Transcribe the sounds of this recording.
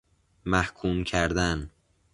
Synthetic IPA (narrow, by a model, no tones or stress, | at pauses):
mæhkʰuːmcʰæɾd̪æn